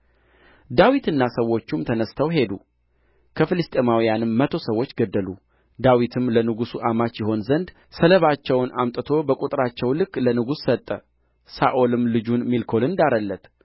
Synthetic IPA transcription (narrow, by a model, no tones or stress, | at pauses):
d̪awit̪ɨnːasəwːo̞t͡ʃːumt̪ʰənəst̪ʰəwɦe̞d̪ṵ | kʰəfɨlɨst̪ʼe̞mawijanɨmːət̪ʰo̞səwːo̞t͡ʃːɡəd̪ːəlṵ | d̪awit̪ʰɨmlənɨɡusuʔamat͡ʃːjɪɦo̞nzənd̪ | sələβat͡ʃːɛwnʔamt̪ʼɨt̪ʰo̞bəkʼut̪ʼɾat͡ʃːɛwlɨkːlənɨɡusːət̪ʼːə | sa̰ʔo̞lɨmlɨd͡ʒunmilkʰo̞lɨnd̪aɾəlːət̪